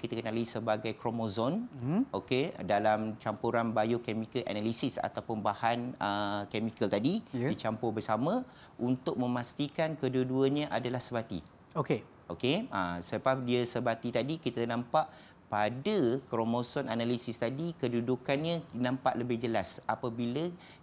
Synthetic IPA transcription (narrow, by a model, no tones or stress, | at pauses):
kit̪akənalisəbaɡajkɾomozɔnokedalamt͡ʃampuɾanbajokemikəlʔa̰nalisisa̰t̪awpʊnbahanəkemikəlt̪adidit͡ʃampʊbərsamə̃ | ʔunt̪ʊʔ̚mə̃mast̪ikankəduəduəɲə̃ʔadalahsəbat̪ḭ | oke | okeəsəəpadiəsəbat̪it̪adikit̪anãmpaʔ | padəkɾomozɔnanalisist̪adikədudukanɲənãmpa̰ʔləbɪhd͡ʒəlasapabilə